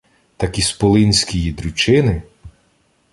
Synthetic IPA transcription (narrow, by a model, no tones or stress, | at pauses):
t̪ɐkispɔlˠɪnʲsʲkʲijid̪ɾʊt͡ʃɪnɪ